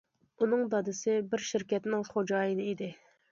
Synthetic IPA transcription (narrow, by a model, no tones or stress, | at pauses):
unɨŋd̪ɑd̪ɨsɪbɪɾʃiɾkʲɛt̪nɪŋχod͡ʒɑːjɨnɨid̪ɪ